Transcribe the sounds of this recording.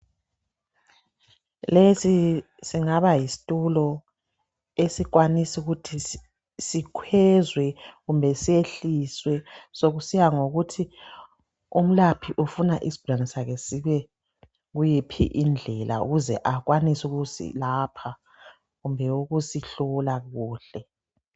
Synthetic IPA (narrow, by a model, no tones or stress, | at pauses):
lesi | siŋaβajisi̥tʼulɔ | esik̬ʼwanisiuɣutʰi | sikʰwɛzwɛɣumbʱɛsieɬiswɛsoɣusijaŋoɣutʰi | um̩lapʰiʔufunaʔisi̥b̥ʱulanɛsakɛsiβɛ | ɣujipʰḭʔind͡ɮʱɛlʔa̰ṵɣuzɛ̰ʔaɣwanisuɣusḭlaːpʰa | ɣumbʱɛuɣusiɬɔlaɣuːɬɛ